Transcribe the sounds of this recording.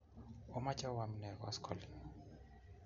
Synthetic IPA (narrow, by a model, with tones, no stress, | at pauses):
ɔ˦ma˦t͡ʃa˦wa˨mi˨nɛ˨kɔwa˦skʰɔ˨li˨ŋ